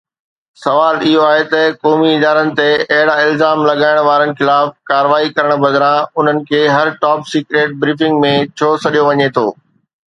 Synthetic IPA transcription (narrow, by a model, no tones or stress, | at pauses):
sɐʋaːlɪɦoaːɦet̪ɐkɔːmiɪd̪aːɾənɪ̆t̪eɐɦɪɽaɪlzaːmlɐɠaːɪɽ̃ʋaːɾənɪ̆xɪlaːfkaːɾʋaːikɐɾəɽ̃bɐd̪ɾãʊn̤ənɪ̆kʰeːɦɐɾʈɔːpsiːkɾeːʈ̚bɾiːfɪ̃ŋɡmẽt͡ɕʰoːsɐɗijoʋɐɲet̪ʰoː